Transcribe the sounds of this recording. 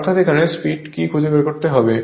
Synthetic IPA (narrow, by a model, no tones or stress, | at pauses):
t̪ʰat̪ekʰanespiʈkikʰud͡ʑebeɾkoɾt̪eɦɔbe